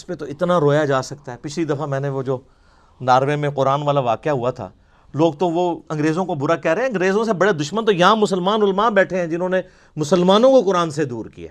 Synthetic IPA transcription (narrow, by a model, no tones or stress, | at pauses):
ɪspẽt̪oɪt̪naɾoːjad͡ʒaːsɐkt̪aɦɛːpɪt͡ʃʰlid̪ɐfamɛ̃ːneʋod͡ʒoː | naːɾʋemẽqʊɾaːnʋaːlaʋaːkjaɦuat̪ʰa̰ː | loːɡ̚t̪oʋoɐ̃ŋɡɾeːzõkobʊɾakɛːɾeɛ̃ɐ̃ŋɡɾeːzõsebɐɽed̪ʊʃmənt̪ojɐɦãmʊsəlmaːnʊlmaːnbɛːʈʰeɦɛ̃d͡ʒɪnõːne | mʊsəlmaːnõkokʊɾaːnsed̪uːɾkḭja̰ː